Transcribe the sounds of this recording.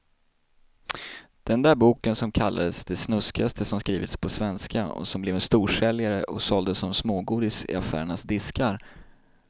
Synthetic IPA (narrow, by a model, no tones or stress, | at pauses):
d̪̥ɛnd̪æːɾbuːkənsɔmkʰalːa̰d̪əsd̪ɛsnɵskɪast̪ʰəsɔmskɾiːvɪt̪spʰɔsvɛnskaɔ̰sɔmblɛːvɛnst̪uːʂɛljaɾəʔɔsɔld̪əsːɔmsmoːɡuːd̪ɪsɪ̰afæ̰ːɾəɳasd̪ɪskaɾ